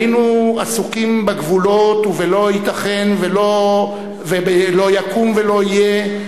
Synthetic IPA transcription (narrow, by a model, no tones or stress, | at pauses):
inuasukimbaɡvulo̞tuvelo̞it̪aχenvelo | vebelo̞jakumve̞lo̞ije